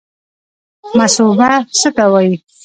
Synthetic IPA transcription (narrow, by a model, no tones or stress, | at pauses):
masubasək̪awaji